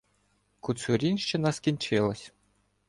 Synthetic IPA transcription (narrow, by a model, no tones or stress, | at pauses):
kusʊɾʲinʲʃt͡ʃɪnɐskʲinʲt͡ʃɪlˠɔsʲ